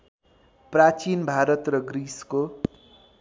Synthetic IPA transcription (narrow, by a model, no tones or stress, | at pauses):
prat͡sinbʱaɾʌt̪rʌɡɾisko